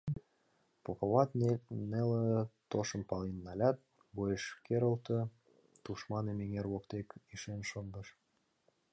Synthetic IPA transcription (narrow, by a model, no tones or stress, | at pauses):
popoβɑt̪nelət̪oʃɤ̆mpɑlinːɑlʲɑt̪̚ | bojeʃkeɾə̆lt̪ɤ̆ | t̪uʃmɑnemeŋerwokt̪ekiʃenʃond̪ɤ̆ʃ